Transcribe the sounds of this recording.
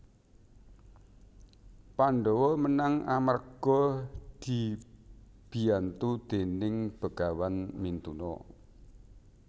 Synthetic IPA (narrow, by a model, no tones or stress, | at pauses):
panɖɔwɔmənaŋamərɡ̥ɔd̪̥i̤ | b̥i̤ant̪ud̪̥enɪŋb̥ə̤ɡ̥a̤wanmint̪unɔ̰